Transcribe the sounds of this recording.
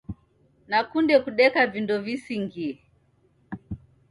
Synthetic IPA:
nakundɛkuɗɛkavindɔvisiŋɡiɛ

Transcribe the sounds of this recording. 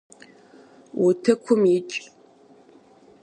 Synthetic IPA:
wʊtʰɐkʷʰʊmjɪt͡ʃʼ

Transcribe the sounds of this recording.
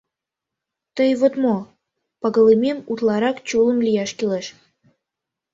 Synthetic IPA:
t̪əjβot̪mo | pəɣə̆lememut̪lɑɾɑkt͡ɕulə̆mlijɑʃkileʃ

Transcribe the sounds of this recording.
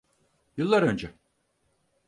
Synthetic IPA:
jɯlˠːaɾønd͡ʒɛ

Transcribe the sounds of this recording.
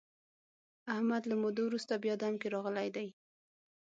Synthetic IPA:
ahmad̪lamod̪owɾust̪abjɑd̪amkeɾɑɣəlajd̪aj

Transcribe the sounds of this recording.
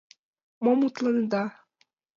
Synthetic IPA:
momut̪lˠɤnd̪ɑ

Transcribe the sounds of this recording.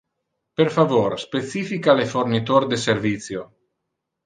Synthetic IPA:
peɾfavoɾspet̪siːfikalefornit̪oɾd̪eseɾvit̪sjo

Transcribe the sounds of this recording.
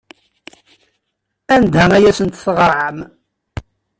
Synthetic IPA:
ænd̪æŋæjæsənt̪θʁəɾˤʕəm

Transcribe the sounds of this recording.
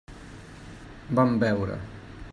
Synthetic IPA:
bambɛwɾə̰

